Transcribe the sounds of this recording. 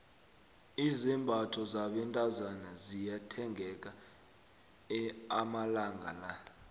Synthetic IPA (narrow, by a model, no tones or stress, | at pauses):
izimbʱatʰɔzaɓɛntʼazanazijatʰɛŋɡʱɛk̬ʼa | ɛamalaŋɡʱa̰la